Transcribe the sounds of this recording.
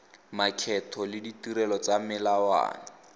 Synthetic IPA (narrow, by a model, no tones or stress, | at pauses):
makʰɛtʰɔlɪditiɾɛlɔt͡samɪlawa̰ːna